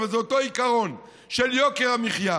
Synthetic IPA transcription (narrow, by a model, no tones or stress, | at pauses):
vezeot̪oikaʁo̞n | ʃeljokeʁamiχja